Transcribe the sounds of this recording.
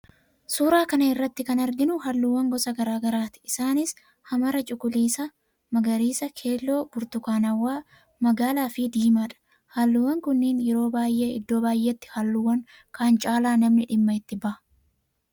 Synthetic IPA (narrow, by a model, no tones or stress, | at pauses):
suːɾaːkɐnɐɪrːɐt̪ːɪkɐnɐɾɡɪnʊɦɐlːʊwːɐŋɡɔsɐɡɐɾaːɡɐɾaːt̪ɪ̥ɪsaːnɪs | hɐmɐɾɐt͡ʃʼʊkʼʊliːsɐ | mɐɡɐɾiːsɐkʰe̞ːlːo̞ːb̥ʊɾt̪ʊkaːnɐwːaː | mɐɡaːlaːfɪd̪iːmaᶑɐ̥ | hɐlːʊwːɐŋkʊnːiːnjɛɾo̞ːbaːjʔe̞ːɪd̪ːo̞ːbaːjʔeːt̪ːɪ̥hɐlːʊwːɐŋ | kaːnt͡ʃʼaːlaːnɐmnɪᶑɪmːɐɪt̪ːɪbɐʔɐ